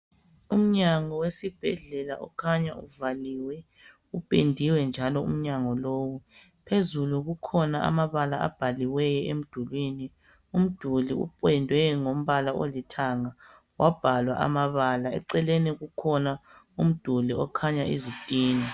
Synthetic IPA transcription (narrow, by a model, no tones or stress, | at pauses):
um̩ɲaŋɔwesib̥ʱɛɮɛla̰ʔɔkʰaɲauvaliwɛ | upʼendʱiwɛnd͡ʒʱalɔṵm̩ɲaŋɔloːwu | pʰezuluɣukʰɔnaʔa̰maβalaa̰b̥ʱaliwɛjɔem̩d̥ʱulwiːni | um̩d̥ʱuliṵpʼwɛndʱwɛŋom̩βalao̰litʰaŋa | wʔab̥ʱalwa̰ʔa̰maβalaɛ̰ǀɛleniɣukʰɔna | um̩d̥ʱuliɔkʰaɲaʔizitʼiːni